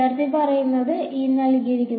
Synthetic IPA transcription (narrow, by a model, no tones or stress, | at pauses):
ɐɾt̪ipɐrɐjunːɐðɨʔiːnːɐliɡɐɾikʲːun